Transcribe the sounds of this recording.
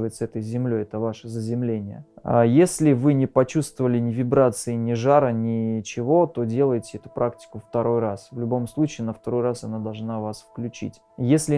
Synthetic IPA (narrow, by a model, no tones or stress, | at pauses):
vəjɪt̪səɛt̪əjzʲɪmlʲo̞jɛt̪əvaʂəzəzʲɪmlʲenʲɪjə̰a̰jesʲlʲɪvɨnʲɪpɐt͡ɕust̪vəvəlʲɪnʲɪvʲɪbɾat̪sɨɪnʲɪʐaɾənʲɪt͡ɕɪvo̞t̪o̞dʲe̞lˠəjɪtʲɪɛt̪ʊ̥pɾak̚tʲɪ̥kʊft̪ɐɾʔo̞jrasvlʲʊbo̞mslˠut͡ɕɪːnəft̪ɐɾo̞jrasɐnad̪ɐlˠʐnavasfklʲʉt͡ɕḭtʲ | jesʲlʲɪ